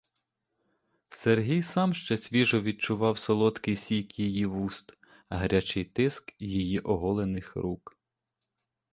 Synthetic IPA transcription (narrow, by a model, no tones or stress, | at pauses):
serɦʲijsɑmʃt͡ʃɛsʲʋʲiʒɔʋʲid̪̚t͡ʃʊʋɑwsɔlˠɔt̪kɪjsʲijkjijiʋust̪ | ɐɦɾʲat͡ʃɪjt̪ɪskjijiʔɔɦɔlˠenɪxɾuk